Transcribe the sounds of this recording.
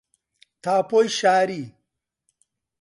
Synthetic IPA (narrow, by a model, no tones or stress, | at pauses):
t̪ʰaːpojɕaːɾi